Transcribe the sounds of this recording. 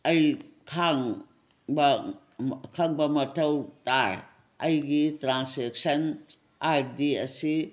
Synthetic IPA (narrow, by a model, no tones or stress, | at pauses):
ɐjkʰaŋ | bɐ | kʰaŋbɐmɐtʰɐwtaɾ | ɐjɡitɾansek̚sɐn | aɾdiɐsi